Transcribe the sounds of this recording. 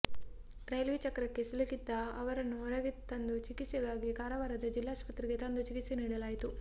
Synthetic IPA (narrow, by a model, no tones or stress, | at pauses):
ɾɐjlʋit͡ʃɐkɾɐkːe̞sulɐkid̪ːɐɐʋɐɾɐnːuɔɾɐɡit̪ːɐnd̪ut͡ʃikit̪sɐɡaːɡikaːɾɐʋaːɾɐd̪ɐd͡ʒilːaːspɐt̪ɾiɡe̞t̪ɐnd̪ut͡ʃikit̪siniːɽɐlaːjit̪u